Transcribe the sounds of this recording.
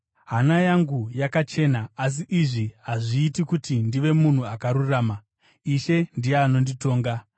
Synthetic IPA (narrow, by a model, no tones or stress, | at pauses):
ɦanajaŋɡujakat͡ʃe̞naas̬iʔiʐiɦaʐiːtikutindiʋe̞mun̤uakaɾuraːma | iʃe̞ndijeːno̞ndito̞ːŋɡa